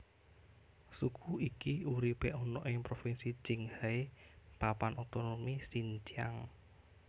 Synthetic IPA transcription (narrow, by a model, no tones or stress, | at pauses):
sukʰuikiuɾipeʔɔnɔʔɪŋpɾofinsit͡ʃɪŋhaepapanɔt̪onomisint͡ʃiaŋ